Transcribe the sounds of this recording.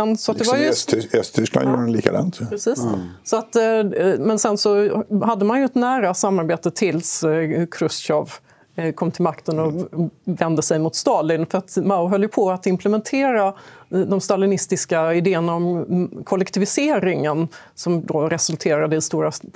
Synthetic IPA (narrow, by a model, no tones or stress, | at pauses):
ɛnsɔat̪d̪ɛvaɾjɛst̪ʰʏskla̰njṵːɾaɛnliːka̰d̪ɑ̰ːnt̪ʰpɾɛsiːssɔat̪mɛnsɛnsɔɦad̪ːəmanjɵɛt̪næːɾasamːaɾbeːt̪ət̪ʰɪlskʰɾɵsɕɔv | kʰɔmːt̪ʰɪlmakt̪ənɔvɛnd̪əsɛjmʊt̪st̪ɑːlɪnfœɾat̪maʊʊɦœlːjɵpʰɔat̪ɪmpʰlɛmɛnt̪ʰeːɾad̪ɔmst̪alɪnɪst̪ɪskaɪd̪eːənaɔmkʰɔlːɛkt̪ʰɪvɪseːɾɪŋən | sɔmd̪oɾɛsɵlt̪ʰeːɾad̪əɪst̪uːɾa